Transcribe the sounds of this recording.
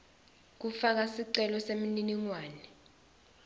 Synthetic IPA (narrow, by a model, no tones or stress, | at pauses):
k̬ufak̬asiǀɛlɔsemininiŋwaːnɛ